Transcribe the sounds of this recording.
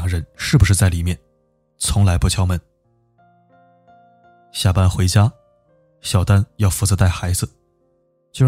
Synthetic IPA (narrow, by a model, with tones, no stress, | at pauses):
ŋɻə˧˥nʂɻ̩˥˩bu˩ʂɻ̩˥˧t͡sa˥˩ɪli˨˩mjɛ˥˩n | t͡sʰʊ˧˥ŋla˧˥ɪpu˥t͡ɕʰjɑ˥ʊmə˧˥n | ɕja˥˩pa˥nxwe˧˥ɪt͡ɕja˥ | ɕjɑ˨˩ʊt̪a˥njɑ˥˩ʊfu˧˥t͡sɤ˧˥t̪a˥˩ɪxa˧˥ɪd͡zɹ̩˧ | t͡ɕjo˥˧ʊ